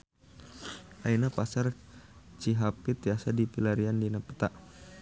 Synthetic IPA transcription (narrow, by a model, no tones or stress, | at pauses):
ʔainapasar | t͡ʃiɦapit̪iasadipilaɾiandinapə̥t̪aʔ